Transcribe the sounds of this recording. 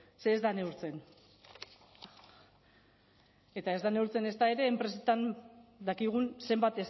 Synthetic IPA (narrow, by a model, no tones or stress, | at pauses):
se̞ːzd̪ane̞uɾt͡se̞n | e̞t̪ae̞zd̪ane̞uɾt͡se̞ne̞st̪ae̞ɾe̞ːmpɾe̞set̪and̪akiɣ̞unse̞mbat̪es